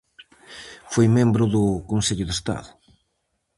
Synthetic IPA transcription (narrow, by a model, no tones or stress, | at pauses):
fojmẽmbɾʊðʊkonseʎʊðest̪a̰ðʊ